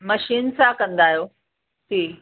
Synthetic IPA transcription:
məʃiːnsãkɐ̃nd̪aːjoː | t̪ʰiː

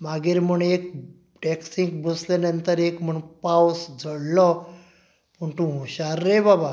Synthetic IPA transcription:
maɡiːɾm̤əɳek̚ | ʈɛksiŋɡbəslenənt̪əɾekm̤əɳpawsd͡zʱəɽlɔ | pəɳt̪ũɦũɕaɾːebaba

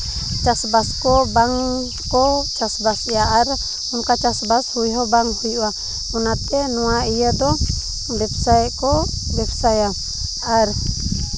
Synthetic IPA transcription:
t͡ʃasbaskɔbaŋ | kɔt͡ʃasbasɛaʔaɾ | unkat͡ʃasbashujɦɔbaŋhujwa | unat̪ɛnɔwaijəd̪ɔ | bɛp̚sajt̪kɔ | bɛbsaja | aɾ

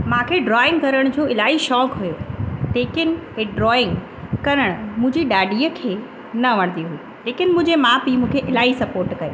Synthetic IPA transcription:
mãkʰeɖɾɔːɪ̃ŋɡkɐɾəɽ̃d͡ʑoːɪlaːiʃɔːkɦujot̪eːkɪnɪ̆eɖɾɔːɪ̃ŋɡ | kɐɾəɽ̃mʊ̃ɦɪ̃ɲd͡ʑiɗaːɖiːəkʰeː | nɐʋɐɽ̃nd̪iɦuiː | leːkɪnɪ̆mʊ̃ːd͡ʑemaːpimũːkʰeʔɪlaːisɐpoːɾʈkɐjo̰

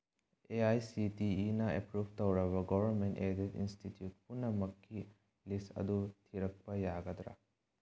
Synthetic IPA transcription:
eajsitiːnɐepɾubʱtɐwɾɐβɐɡobʱɐɾmentedetḭnstitjut̚punːɐmɐkʰːi | lisɐ̰d̪utʰiɾɐk̚pɐjaɡɐd̪ɾɐ̰

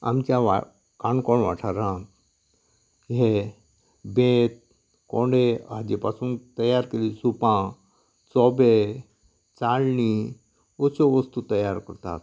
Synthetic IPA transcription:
a̰mt͡ʃaʋa | kaːnkoɳʋa̰ʈʰaɾãːt̪ | ɦe | bẽt̪̚ | kõːɳɖea̰d͡ʒepasũŋt̪ɐjaːɾkelisupã | t͡sɔbe | t͡saːlni | ot͡ʃoʋəst̪ut̪ɐjaːɾkəɾt̪a̰ːt̪

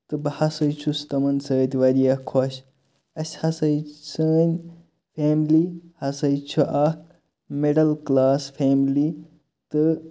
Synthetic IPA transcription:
t̪ɨbɐhasəjt͡ʃʰust̪ɐmɐnsəːt̪ʲʋɐɾijɐkʰːoɕ | ɐsʲhɐsɐjsəːnʲ | pʰeːmlihɐsɐjt͡ʃʰuʔɐk | meɖɐlklaːspʰeːmli | t̪ɨ

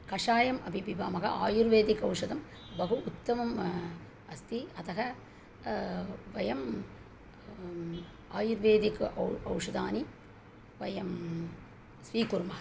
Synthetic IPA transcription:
kɐʂaːjɐmɐbʱibibaːmɐɦɐ̰ʔa̰ːjuɾʋeːd̪ikɐwʂɐd̪ɐm | bʱɐɦuʔut̪ːɐmɐm | ɐst̪iɐt̪ɐɦɐ | ʋɐjɐm | aːjuɾʋeːd̪ikɐɐwʂɐd̪aːni | ʋɐjɐm | sʋiːkuɾmɐɦɐ

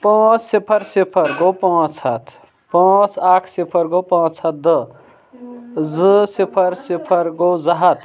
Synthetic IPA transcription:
pãːt͡ssipʰəɾsepʰəɾɡopãt͡sʰət̪ʰ | pãːt͡sʰakʰsipʰəɾɡopãːt͡sʰət̪̚d̪ə | zɨsipʰəɾsepʰəɾɡozaɦət̪ʰ

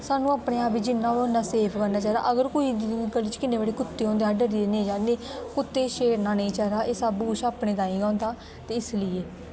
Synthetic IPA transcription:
saːnũːaːpɽẽːaːpiːd͡ʒɪnːãːonaːseːpʰkəɾnaːt͡ʃaːɾa̰ːʔəɡəɾkoːiːɡəlːit͡ʃkɪnːeːbaːɽeːkʊt̪ːeːɦõːnd̪eːãːɖəɾiːd̪enẽːd͡ʒãːnd̪eːkʊt̪ːeːʃeːɾnãːnə̃ĩːt͡ʃaːɾaːʔeːsaːbuːʃaːpnẽːt̪ãːĩːɡãːnd̪aː | t̪eːɪsləieː

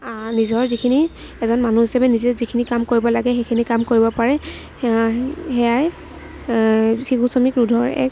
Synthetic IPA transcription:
nizɔɹzikʰini | ɛzɔnmanuɦisɛbɛnizɛzikʰinikamkoɹibɔlaɡɛxejkʰinikamkoɹibɔpaɹɛ | hɛaj | xikusɔmikɹudʱɔɹɛ̰k

